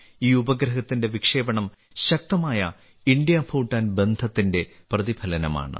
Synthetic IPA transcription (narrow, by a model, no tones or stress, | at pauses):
iːubɐɡɾɐɦɐt̪ːinde̞ʋikʂe̞ːbɐɳɐm | ɕɐk̚t̪ɐmaːjɐ̰ | iɳɖjɐpʰuːʈːaːnbe̞nd̪ʱɐt̪ːinde̞ | prɐðibʰʱɐlɐnɐma̰ːɳɨ̰